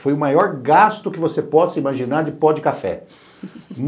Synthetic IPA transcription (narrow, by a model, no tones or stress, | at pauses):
fojʊmajɔɾɡast̪ʊkɪvosepɔsimaʒinaɾd͡ʒɪpɔd͡ʒɪkafɛ̰ | n